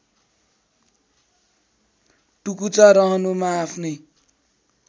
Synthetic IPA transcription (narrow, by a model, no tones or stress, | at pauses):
ʈukut͡saɾʌɦʌnumaːpʰnʌj